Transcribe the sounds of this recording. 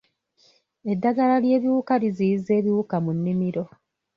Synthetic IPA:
e̞dːaɡalalje̞ːβiwuːkalizijize̞ːβiwukamunːimiɾo̞

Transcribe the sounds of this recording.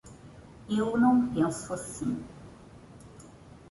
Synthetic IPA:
ewnɐ̃w̃pẽsʊasĩ

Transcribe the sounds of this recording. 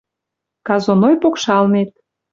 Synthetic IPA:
kɑzonojpokʃɑlnet̪̚

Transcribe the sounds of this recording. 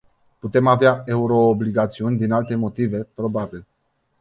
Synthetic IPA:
put̪e̞maveae̞uɾo̞ːbliɡat̪siunʲd̪inalt̪e̞mo̞t̪ive̞pɾo̞babil

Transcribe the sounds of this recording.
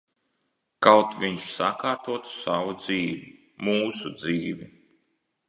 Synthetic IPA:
kawt̪vʲiɲʃsakaːɾt̪uɔt̪u̥savud̪ziːvi | muːsud̪ziːvi

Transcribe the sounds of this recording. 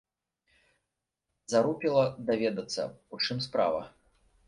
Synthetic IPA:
zaɾupʲilˠɐd̪avʲɛd̪ɐt̪sːɐ̰ut͡ʂɨmspɾa̰vɐ̰

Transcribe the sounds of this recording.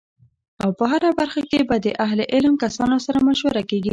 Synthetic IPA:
awpəɦaɾabaɾxakebad̪əʔaɦleʔɪlmkasɑnosaɾamʊʃwaɾakeɡi

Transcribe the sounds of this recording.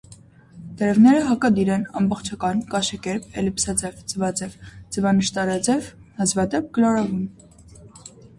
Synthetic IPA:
d̪̥əɾɛvnɛɾəɦɑkɑd̪iɾɛnɑ̰mbɔχt͡ʃʰɑkɑnkɑʃɛkɛɾpɛlipsɑd͡zɛvd͡zəvɑd͡zɛvd͡zəvɑnəʃt̪ɑɾɑd͡zɛvnɑzvɑd̪ɛp̚kəlɑɾɑvum

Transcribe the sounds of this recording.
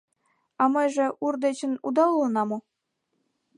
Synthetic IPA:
ɑmɤjʐĕʔurd̪et͡ɕə̆nud̪ɑlunɑmo

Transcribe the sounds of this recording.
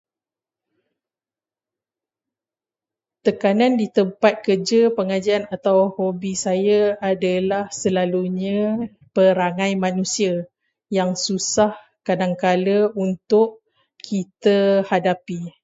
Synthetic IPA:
t̪əkanãndit̪əmpat̪̚kərd͡ʒəpəŋad͡ʒianat̪awhobisajaadalahsəlaluɲã | pəɾaŋãjmãnũsia | jaŋsusah | kadaŋkaləunt̪ʊʔ | kʰit̪əhadapi

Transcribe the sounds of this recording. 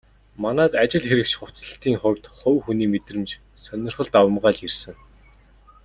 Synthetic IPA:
manæːt̪at͡ɕɪ̆ɮxeɾɘ̆kt͡ɕχʊt͡sɮə̆ɬt̪iːŋχʊrt̪χɵwxuniːmet̪rɘ̆mt͡ɕ | sœnʲɪ̆rχə̆ɮt̪awə̆mɢaːt͡ɕirsɘ̆ŋ

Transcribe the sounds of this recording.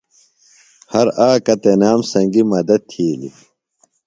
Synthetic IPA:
hɐɾaːkɐt̪enaːmsɐŋɡimɐd̪ɐt̪ʰiːlḭ

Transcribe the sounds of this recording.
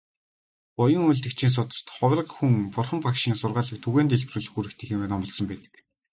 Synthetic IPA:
pɔjɞ̆ŋujɮt̪ɘ̆kt͡ɕʰiːns̬ʊt̪ə̥̆r̥t̪χɔw̆ʲə̆qxuŋpʊrχə̆mpakʃiːŋsʊrʁaːɮə̆k̚t̪ʰuɣeːnt̪eɮɡruːɮɘ̆xuɾɘ̆kt̪ʰĕxemeːnɔmɞ̆ɮsɞ̆mpæːt̪ɘ̥̆k

